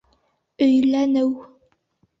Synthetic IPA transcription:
ɵ̆jlænɘw

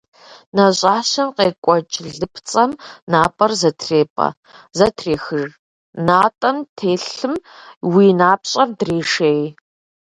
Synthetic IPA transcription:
nɐɕʼaːɕɐmqeːkʷʼɔt͡ʃʼɮɨpʰt͡sʼɐmnaːpʼɐrzɐtʰreːpʼɐ̰ | zɐtʰreːxɨʐ | naːtʼɐmtʰeːɬɨmwiːnaːpɕʼɐrdreːʂeːj

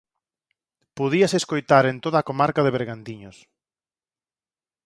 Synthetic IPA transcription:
poðiɐseskojt̪aɾent̪oðaːkomaɾkaðeβeɾɣant̪iɲos

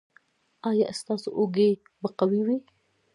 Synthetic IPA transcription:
ɑjɑʔst̪ɑso̰ʔoɡe | baqawiwi

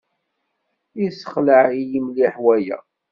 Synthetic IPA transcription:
isə̥χləʕijimliħwæjæ̰

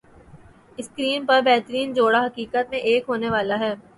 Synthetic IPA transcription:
ɪskɾiːmpɐɾbɛɦt̪əɾiːnd͡ʒoːɽaɦɐkiːkət̪̚mẽʔeːkɦoːneʋaːlaɦɛː

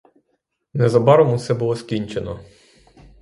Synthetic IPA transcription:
nɛzɐbɑɾɔmʊsɛbʊlˠɔskʲinʲt͡ʃenɔ

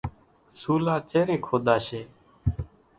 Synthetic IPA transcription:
suːlaːt͡ʃeːɾeːkʰoːd̪aːʃeː

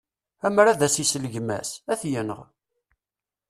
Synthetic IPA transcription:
æmɾæðæsisələʝmæ̰sæθjənəʁ

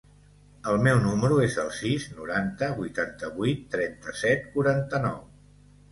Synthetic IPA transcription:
əlˠmɛwnuməɾuezəlˠsiznuɾant̪əβujt̪ant̪əβuit̪ːɾɛnt̪əsɛt̪̚kuɾant̪ənɔw

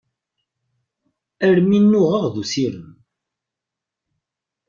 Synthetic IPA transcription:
əɾminːʊʁəʁðusiɾəm

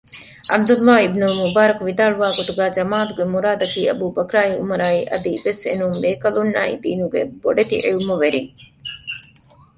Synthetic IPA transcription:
ʔɐ̰b̚d̪ulːaːibnulmubaːɾɐkuʋid̪aːɭuʋaːɡot̪uɡæːd͡ʒɐmaːɐt̪uɡemuɾaːd̪ɐkiːɐ̰buːbɐkɾaːiṵmɐɾaːiʔɐ̰d̪iʋesḛnuŋbeːkɐlunːa̰ːḭd̪iːnuɡḛbo̰ɖet̪ḭʔiumuʋeɾiŋ

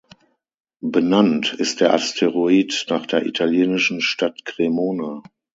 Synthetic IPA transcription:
bənantɪst̚d̥eːɐʔastʰeʁoiːtnaːχd̥eːɐʔḭtʰaljeːnɪʃn̩ʃtatkʁ̥emoːna

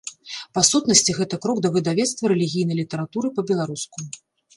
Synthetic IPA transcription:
pasut̪nɐsʲt͡sʲiɣɛt̪ɐkɾɔɡd̪ɐvɨd̪avʲɛt̪st̪vɐɾɛlʲiɣʲijnɐjlʲit̪ɐɾat̪uɾɨpɐbʲɛlˠaɾusku

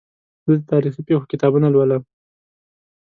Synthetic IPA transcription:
d̪id̪ət̪ɑɾixipexokɪt̪ɑbunalwala

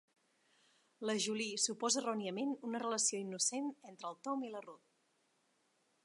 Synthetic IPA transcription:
ləʒulisupɔzərɔniəmenunərələsioinːusenɛnt̪ɾəːlˠt̪ɔmilərot̪̚

